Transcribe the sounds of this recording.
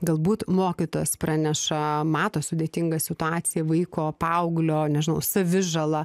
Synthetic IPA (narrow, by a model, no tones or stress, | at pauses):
ɡɐlˠbuːt̪moːkʲit̪oːjɛsprɑːnʲɛʃɐmɑːt̪oːsʊd̪ʲeːt̪ʲɪŋɡɐsʲɪt̪ʊɑːsʲɪjɛʋɐɪkoːpɐʊɡlʲoːnʲɛʒʲɪnɐʊsɐʋʲɪʒɐlˠɐ